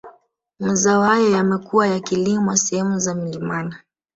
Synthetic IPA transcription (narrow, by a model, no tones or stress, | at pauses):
mazaɔhajɔjamɛkuwajakilimɔasɛhɛmuzamilimana